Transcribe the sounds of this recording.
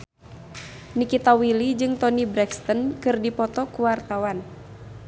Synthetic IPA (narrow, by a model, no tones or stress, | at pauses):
nikit̪awilid͡ʒɨŋt̪ɔnibɾɛkst̪ənkɨrdipɔt̪ɔkuwart̪awan